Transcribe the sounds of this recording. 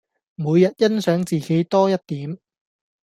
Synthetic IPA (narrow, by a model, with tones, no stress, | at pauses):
muː˨˧jɐ˨t̚jɐ˥nsœː˨˥ŋt͡siː˨ke˨˥jt̪ɔː˥jɐ˥t̚t̪iː˨˥m